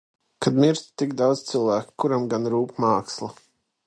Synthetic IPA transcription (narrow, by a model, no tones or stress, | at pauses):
kad̪miɾsʲt̪t̪ikd̪awd̪z̥t̪silˠvæːkkuɾamɡanɾuːpmaːkslˠa